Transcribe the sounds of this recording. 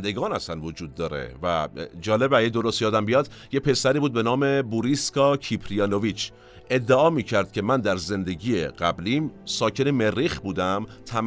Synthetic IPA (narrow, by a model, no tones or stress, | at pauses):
nd̪eɡɒːnæst̪ænvod͡ʒuːd̪̚ːɒːɾḛvæ̰d͡ʒɒːle̞bæjed̪o̞ɾost̪ijɒːd̪æmbijɒd̪jepʰe̞sæɾiːbuːd̪̚be̞nɒːme̞buɾiskɒːcʰipʰɾijɑnovit͡ʃʰ | e̞d̪ːeɒːmiːcʰæɾd̪̥̚cʲʰe̞mænd̪æɾze̞nd̪eɟiːjeɢæbliːmsɒːcʰe̞ne̞me̞rːixbuːd̪æmt̪ʰæm